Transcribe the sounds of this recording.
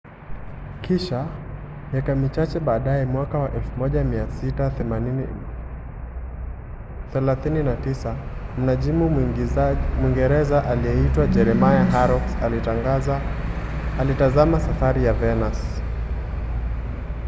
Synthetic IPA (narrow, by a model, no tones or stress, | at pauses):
kiʃa | mjakamit͡ʃat͡ʃɛɓaːɗaɛmwakawaʔɛlfumɔʄamiasitaɛmani | θɛlaθininatisam̩naʄimu | mwiŋɡɛɾɛzaʔalijɛitwad͡ʒɛɾɛmajaɦaɾɔks | alitazamasafaɾijavɛnas